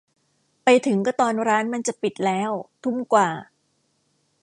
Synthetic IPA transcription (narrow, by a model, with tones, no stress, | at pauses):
pa˧jt̪ʰɯ˩˦ŋkɔː˥˩t̪ɔː˧nɾaː˦˥nma˧nt͡ɕa˨˩pi˨˩t̪̚lɛː˦˥wt̪ʰu˥˩mkwaː˨˩